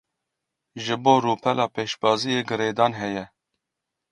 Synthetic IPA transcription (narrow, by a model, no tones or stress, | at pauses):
ʒɨboːɾuːpʰɛlɑːpeːʃbɑːzijeːɡɨɾeːd̪ɑːnɦɛjɛ